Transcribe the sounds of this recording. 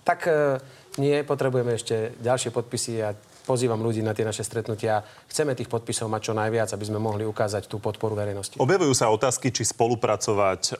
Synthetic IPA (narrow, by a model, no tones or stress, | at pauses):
t̪ak | ɲɪɛpɔt̪ɾɛbujɛmɛɛʃcɛɟalʃɪɛpɔt̪̚pisia | pɔziːʋamluɟiːnat̪ɪɛnaʃɛst̪ɾɛt̪nucɪa | xt͡sɛmɛt̪iːxpɔt̪̚pisɔʊmac̚t͡ʃɔnajʋɪad͡zabizmɛmɔɦliukaːzact̪uːpɔt̪pɔɾuʋɛɾɛjnɔsciɔbjaʋujuːsaɔt̪aːskit͡ʃispɔlupɾat͡sɔʋac